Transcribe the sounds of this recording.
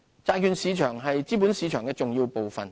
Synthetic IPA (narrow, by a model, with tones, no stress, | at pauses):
t͡saː˧kʰyː˨nsiː˨˧t͡ʃʰœː˨˩ŋɦɐ˨jt͡siː˥p̬uː˨˥nsiː˨˧t͡ʃʰœː˨˩ŋkɛː˧t͡sʊ˨ŋjiː˧wpo˨wfɐ˨n